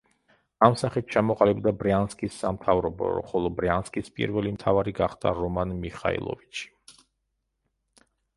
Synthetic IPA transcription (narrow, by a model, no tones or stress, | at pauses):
amsaχit̪̚t͡ʃʰamɔqʼalibd̪abɾanskʼisːamt̪ʰavɾɔbɔ̰χɔlˠɔbɾanskʼispʼḭɾvɛlimt̪ʰavaɾiɡaχd̪a̰ɾɔmanmiχa̰ḭlˠɔ̰vit͡ʃʰi̥